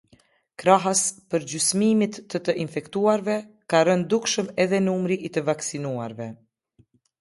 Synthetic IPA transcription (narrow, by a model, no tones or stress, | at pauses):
kɾaɦaspəɾɟysmimit̪ːət̪əʔinfɛkt̪uaɾvɛ | karənd̪ukʃəmɛðɛnumɾiʔit̪əvaksinua̰ɾvɛ